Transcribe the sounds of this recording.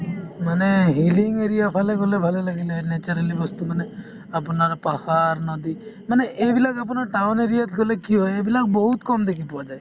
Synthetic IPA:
maneɦiliŋeɾijapʰaleɡolebʱalelaɡilaenet͡ʃɔɾalibɔst̪umane | apnaɾɔpɔhaɾnɔd̪imaneʔebilakapɔnaʈawneɾijat̪ɡolekiɦɔeebilakbɔɦut̪kɔmd̪ekʰipɔad͡ʒaj

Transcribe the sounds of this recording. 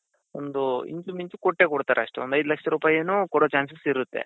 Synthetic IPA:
ond̪uḭɲt͡ʃumiɲt͡ʃukoʈːe̞koɽt̪aːɾʔeɐʂʈeond̪ɐjd̪ulɐkʂɐɾuːpaːjeːnuːkɔɽoːt͡ʃaːnsɐsiɾut̪ːe̞̰

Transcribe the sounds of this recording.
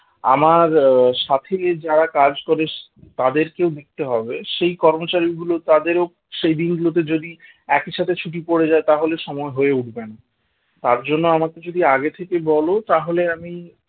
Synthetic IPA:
a̰maɾʃat̪ʰed͡ʑaɾakad͡ʑkoɾeʃ | t̪ad̪eɾkewd̪ek̚t̪eɦɔbeʃejkɔɾmot͡ɕaɾiɡulot̪ad̪eɾo | ʃejd̪inɡulot̪̬ed͡ʑod̪i | ɛkiʃat̪ʰet͡ɕʰuʈ̬ipoɽed͡ʑaet̪aɦoleʃɔmɔeɦoeuʈbena | t̪aɾd͡ʑonːoamaked͡ʑod̪iaɡet̪ʰekebɔlot̪aɦoleami

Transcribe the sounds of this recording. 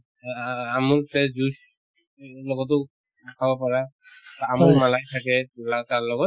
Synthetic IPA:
amʊɹsɛzus | lɔɡɔt̬ʊ | akʰabɔpaɹa | amʊɹmalajtʰakɛlataɹlɔɡɔt

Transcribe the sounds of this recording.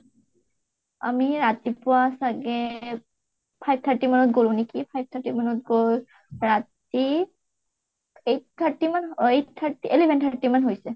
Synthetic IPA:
a̰miɹat̪ipʊwasaɡɛ | pʰajb̚t̪ʰaɹʈimanɔt̚ɡolũnekipʰajb̚t̪ʰaʈimanɔt̚ɡo | ɹat | i | ejt̪ʰaɹtimanett̪ʰːaɹtiʔelebʱɛnt̪ʰaɹtːimanɦojsɛ

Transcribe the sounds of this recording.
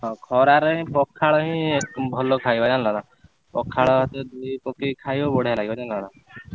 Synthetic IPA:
ɦɔ̃kʰɔɾaɾəɦĩpɔkʰːaɭɔɦĩembʱɔlokʰajbad͡ʒanlɔna | pɔkʰːaɭɦt̪ed̪uipɔkikʰajbɔbɔɽ̤elaɡibad͡ʒanlɔna

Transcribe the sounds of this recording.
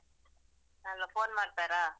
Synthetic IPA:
nɐlːɐfoːnmaːʈt̪aːɾaː

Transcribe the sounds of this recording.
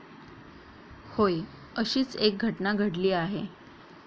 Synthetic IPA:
hoj | əɕiːt͡sek̚ɡʱəʈnaɡʱəɽliːaɦe

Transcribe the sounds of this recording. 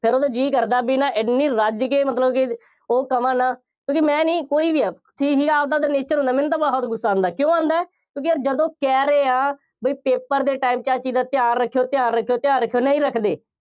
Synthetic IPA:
pʰɪɾoːd̪aːd͡ʒiːkəɾd̪aːbiːnãːʔɪniːɾəd͡ʒkeːmət̪ləbkɪ | oːkəmãːnãː | kjõːkimɛ̃ːniːkoːiːbiːaː | t̪ʰiːɦiːaːbd̪aːd̪aːneːt͡ʃəɾɦõnd̪aːmɛ̃ːnt̪aːbəɽaːɔːt̪ɡʊsːaːõnd̪aːkjõːãːnd̪aːɛː | kjõːkiəd͡ʒəd̪õːkɛːɾeːãː | bəiːpeːpəɾd̪eːʈaːiːmt͡ʃaːt͡ʃiːd̪aːt̪ɪjaːnɾəkʰːejoːt̪ɪjaːnɾəkʰːejoːt̪ɪjaːɾəkʰːjoːnəĩːɾəkʰd̪eː

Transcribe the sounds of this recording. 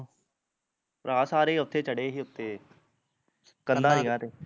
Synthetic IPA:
pɾaːsaːɾeiːʊt̪ʰːeːt͡ʃəɽeːɦiːʊt̪ʰːeː | kənd̪aːniãːt̪eː

